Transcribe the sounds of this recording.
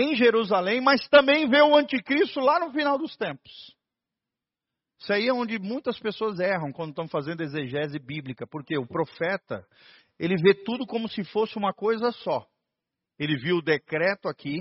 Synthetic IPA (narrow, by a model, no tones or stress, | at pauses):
ẽj̃ʒeɾuzalẽj̃mɐst̪ɐ̃mbẽj̃veʊɐ̃nt͡ʃikɾist̪ʊlanʊfinawd̪ʊst̪ẽmpʊ̥s | saiɛõnd͡ʒɪmũj̃t̪ɐspesoɐzɛɦɐ̃w̃kwɐ̃nd̪ʊt̪ɐ̃w̃fazẽnd̪ʊezeʒɛzɪbiblikɐpoɾkeʊpɾofɛt̪ɐ̰ | elɪvet̪ud̪ʊkõmʊsɪfosɪũmɐkojzɐsɔ | elɪviwʊd̪ekɾɛt̪ʊakʰi